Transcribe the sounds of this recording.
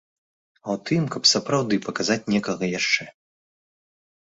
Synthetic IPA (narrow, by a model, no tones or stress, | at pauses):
ɐwt̪ɨmkɐpsɐpɾawd̪ɨpɐkazat͡sʲnʲɛkɐɣɐjaʂt͡ʂɛ